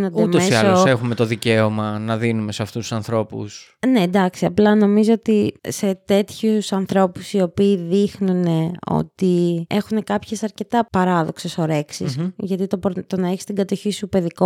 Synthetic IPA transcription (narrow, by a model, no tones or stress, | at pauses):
nond̪eumomseisɐose̞xume̞t̪o̞ðice̞omɐnɐðinume̞seɐft̪ust̪ːusɐnθɾo̞pṵsnend̪ɐksiɐplɐno̞mizoot̪ise̞t̪e̞t̪çusɐnθɾo̞pusio̞piːðixnune̞o̞̰t̪ie̞xune̞kɐpçe̞sɐɾce̞t̪ɐpɐɾɐðo̞kse̞so̞ɾe̞ksḭsʝɐt̪it̪o̞pɾt̪o̞nɐeçi̥st̪iŋɡɐt̪o̞çisupe̞ðiko